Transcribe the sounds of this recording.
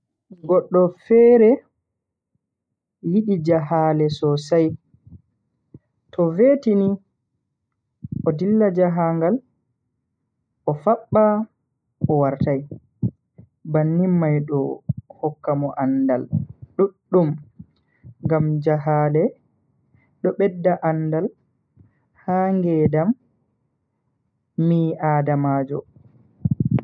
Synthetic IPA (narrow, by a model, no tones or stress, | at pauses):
ɡɔɗːɔfɛɾɛ | jiɗid͡ʒaɦalɛsɔsaj | tʰɔvetini | ʔɔdilːad͡ʒaɦaŋɡal | ʔɔfaɓːa | ʔɔwaɾtaj | banːimːajɗɔhɔkːamɔʔanda̰lɗuɗːum | ŋɡamd͡ʒaɦaːlɛ | ɗɔɓɛdːaʔandal | haːŋɡɛdam | iaːdamaːd͡ʒɔ